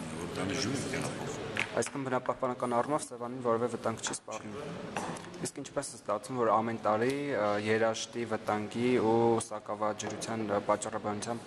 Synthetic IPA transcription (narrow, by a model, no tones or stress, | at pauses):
vɔɾd̪ɑniʒuɾit̪ɛʁɑ̰pʰɔ̰χɑ̰jsi̥kʰɑnbənɑpɑhpɑnɑkɑnɑrumɔvsɛvɑninvɔɾɛvɛvət̪ɑŋɡt͡ʃʰispɑrrnum | iskint͡ʃʰpɛsɛst̪ɑt͡sʰnumvɔɾɑmɛnt̪ɑɾijɛɾɑʃt̪ivət̪ɑŋɡiusɑkɑvɑd͡ʒəɾut͡sʰjɑnpɑt͡ʃːɑrɑbɑnut͡sʰɑmb